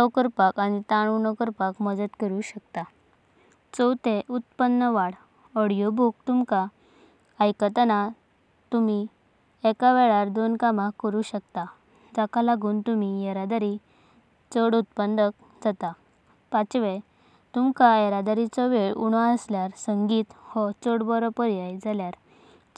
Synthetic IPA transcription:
sɔkəɾpakañit̪aɽ̃unɔkəɾpakməd͡zət̪kəɾuɕək̚t̪a | t͡səwt̪eʔut̪pənːəʋaɽ | ɔɽijobʱuk̚t̪umkaː | jkət̪əna | t̪umi | ɛkaʋɛɭaɾd̪onkamakːəɾuːɕəkt̪a | d͡zakalaɡuːnt̪umijəɾad̪aɾi | t͡səɽut̪̚pənd̪ək̚ | d͡zat̪a | pat͡sʋe | t̪umkaeɾad̪aɾit͡sɔʋeɭuɽ̃aəsljaɾsəŋɡiːt̪hɔt͡səɽbɔɾɔpəɾijajd͡zaljaɾ

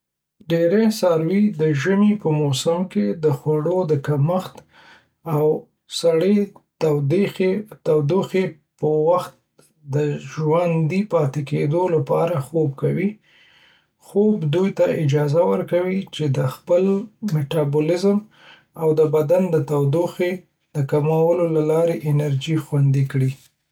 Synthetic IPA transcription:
ɖeɾesɑɾwid̪əʒəmipəmosamked̪əxwaɽod̪əkaməxt̪ | aw | saɽet̪awd̪ixet̪awd̪uxepəwaxt̪̚ | d̪əʒwand̪ipɑt̪eked̪olapɑɾaxob̚kawi | xobd̪ujt̪aɪd͡ʒɑzawəɾkawit͡ʃed̪əxpəlmeʈɑbolɪzm | awd̪əbad̪and̪ət̪awd̪uxe | d̪əkamawəlolalɑɾeʔɪnaɾd͡ʒixwand̪ikɽi

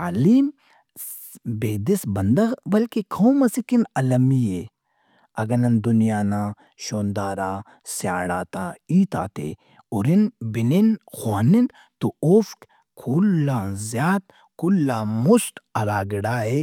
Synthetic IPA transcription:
aːliːm | beːd̪isbɐnd̪ɐbɐlkikʰoːmɐsikinɐlɐmie | ɐɡɐnɐnd̪ʊnijaːnaː | ʃoːnd̪aːɾaː | sa̰ːɽaːt̪aːiːt̪a̰ːt̪ḛː | ʊɾinbininxwaːnin | t̪oofk | kʰulːãːzjaːt̪̚ | kulːaːmʊsʈ̪ɐlaːɡɽaːe

